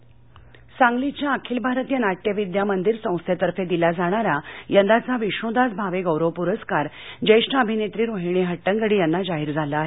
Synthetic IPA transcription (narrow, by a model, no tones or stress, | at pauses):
sãŋɡlit͡ɕjaːkʰiːlbʱaɾt̪ijənaʈjəʋid̪jamənd̪iɾsə̃w̃st̪ʰjet̪əɾfed̪ilad͡zaɽ̃aɾajənd̪at͡saʋiɕõd̪at͡sbʱaʋeɡəwɾəʋpuɾəskaɾ | d͡ʑəjʂʈnəəbʱinet̪ɾiːɾoɦiɽ̃eɦəʈːəŋɡəɽiːjanːad͡zaɦiːɾd͡zʱalaːɦe